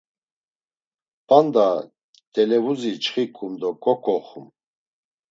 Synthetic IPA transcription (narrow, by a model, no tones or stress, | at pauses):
pand̪a | t̪ʼɛlɛvuzit͡ʃχikʼumd̪ɔkʼɔkʰʼɔχum